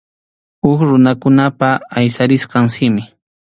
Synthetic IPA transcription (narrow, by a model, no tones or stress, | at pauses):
ʊkɾʊnakʊnapaːjsaɾɪsqɑŋsɪmɪ